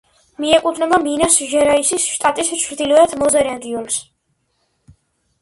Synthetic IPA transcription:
miɛkʼut̪ʰnɛbaminasʒɛɾaisisʃt̪ʼat̪ʼist͡ʃʰɾd̪ilɔɛt̪ʰmɔzɛɾɛnd̪iuls

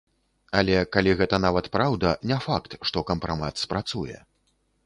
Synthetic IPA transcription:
alʲɛkalʲiɣɛt̪ɐnavɐt̪pɾawd̪ɐnʲɛfakt̪ʂt̪ɔkɐmpɾamat̪spɾat̪sujɛ̰

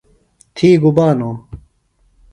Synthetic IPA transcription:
t̪ʰiːɡubaːnoː

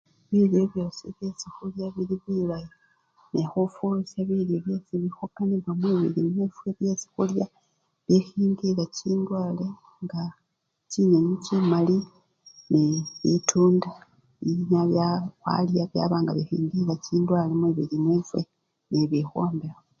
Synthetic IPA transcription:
βiljeβjo̞siβjesixuljaβiliβilaji | nexufulusaβiljoβje̞siβixukaniβwamwiːβḭlinivweβje̞si̥xulja | βixiːŋɡilaciːndwaːle | ŋɡa | ciɲeɲicimali | niβitʰuːnda | iɲaβjawa̰ljaβja̰βaːŋɡa̰βixḭːŋɡilaciːndwaːlemwiβilimwevwe | niβixoːmbexa

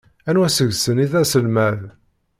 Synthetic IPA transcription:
ænwæsəʝsəniðæsəlmæð

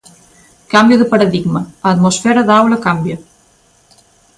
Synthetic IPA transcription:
kambjɐðɨpɐɾɐðiɡmɐɐt̪mosfeːɾɐðaːwlɐkɐmbjɐ

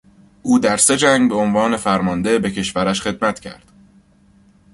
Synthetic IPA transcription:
ʔuːd̪æɾse̞d͡ʒæŋɡbe̞onvɒːne̞fæɾmɒnd̪e̞be̞cʰe̞ʃvæɾæʃxe̞d̪mæt̪cʰæ̰ɾd̪̥

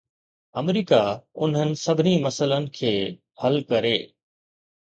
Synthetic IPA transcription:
ɐmɾiːkaʊn̤ənɪ̆sɐbʱɪnimɐsələnɪ̆kʰeː | hɐlkɐɾeː

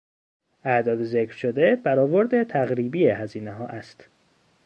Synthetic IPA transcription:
ʔæʔd̪ɒːd̪ezekʰɾʃo̞d̪ebæɾɒːvo̞ɾd̪e̞t̪ʰæɣɾiːbiːehæziːneɦɒːʔæst̪

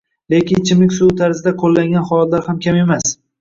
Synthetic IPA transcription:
lekʲɪnt͡ʃʰɪmɪkʲsut̪ʰaɾzɪd̪aqʰolːaŋɡʲanχɒlˠat̪laɾhamkʲʰame̞mas

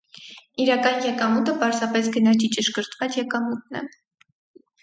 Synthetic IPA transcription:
iɾɑkɑnjɛkɑmut̪əpɑɾzɑpɛsɡənɑt͡ʃʰit͡ʃəʃkəɾt̪vɑt͡sjɛkɑmut̪̚nɛ̰

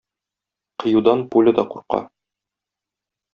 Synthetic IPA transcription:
qɤ̆jud̪ɑnpulʲɘ̆d̪ɒquɾqɑ̰

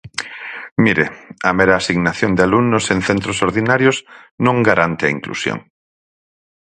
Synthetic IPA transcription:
miɾeameɾaːsiɣnaθjond̪ɪaluŋnosẽnθent̪ɾosoɾðinaɾjosnõŋɡaɾant̪ɪɐiŋklṵsjo̰ŋ

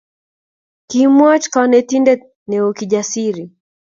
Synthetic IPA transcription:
kimwat͡ʃkanɛtindɛ | nɛɔkiʄasiɾi

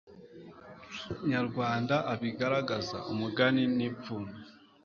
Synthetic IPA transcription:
ɲaɾɡwaːndaʔaβiɡaɾaɡaza̰umuɡaninipfuno

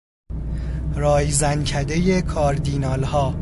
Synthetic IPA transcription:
ɾɒːjzæncʰæd̪e̞je̞kʰɒːɾd̪iːnɒːlhɒː

